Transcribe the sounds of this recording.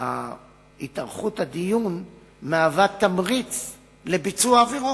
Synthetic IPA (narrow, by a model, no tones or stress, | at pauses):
a̰ | itaʁχuthad̪ijun | meavat̪ːamʁit͡s | lebit͡suaːveʁu